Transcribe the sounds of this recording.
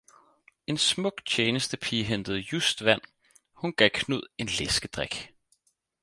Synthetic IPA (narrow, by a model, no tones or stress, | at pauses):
e̝nsmɔ̽ɡ̥t͡ɕʰeːnəsd̥əpʰiɦend̥əð̩ˠjusd̥ʋæn̰ | hunɡ̥ækʰnuð̞̰ˠe̝nlesɡ̥əd̥ʁaɡ̥